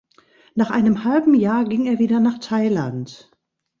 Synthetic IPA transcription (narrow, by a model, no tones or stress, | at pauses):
naːχʔaɪnəmhalbm̩jaːɐɡɪŋeːɐviːdɐnaːχtʰaɪlant